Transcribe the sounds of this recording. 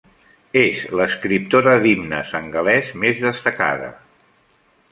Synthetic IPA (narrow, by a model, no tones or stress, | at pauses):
ezləskɾip̚t̪oɾəðimnə̰səŋɡəlɛzmezðəst̪əka̰ðə̰